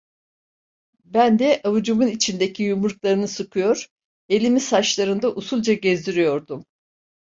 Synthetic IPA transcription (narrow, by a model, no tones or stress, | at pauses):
bænd̪ɛʔavud͡ʒumunit͡ʃʰind̪ecʰijumuɾklˠaɾɯnɯsɯkʰɯjo̞ɾ̥ | e̞lʲimisat͡ʃlˠaɾɯnd̪aʔusulˠd͡ʒaɟezd̪iɾijo̞ɾd̪um